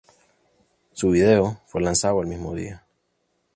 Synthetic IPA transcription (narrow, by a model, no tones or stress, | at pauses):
suβiðeofwelansaðoelmizmoðḭa